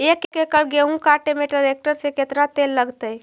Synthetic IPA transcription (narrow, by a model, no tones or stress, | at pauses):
ekekekəlɡeɦũkaʈemeʈəɾek̚ʈəɾseket̪nat̪elːəɡt̪əj